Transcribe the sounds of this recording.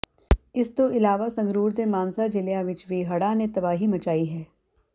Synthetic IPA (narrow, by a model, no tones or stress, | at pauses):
ɪst̪oʔɪlaːʋasɐ̃ŋɡɾuːɾd̪emaːnsad͡ʒɪljaʋɪt͡ʃʋeːɦɐɽanẽt̪ɐbaːɦimɐt͡ʃaːiɦɛː